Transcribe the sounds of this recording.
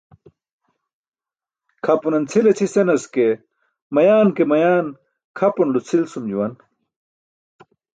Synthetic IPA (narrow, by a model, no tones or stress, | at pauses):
kʰɐpunɐnt͡sʰilet͡sʰisenɐske | mɐjaːnkemɐjaːn | kʰɐpunlut͡sʰilsumd͡ʑuwɐn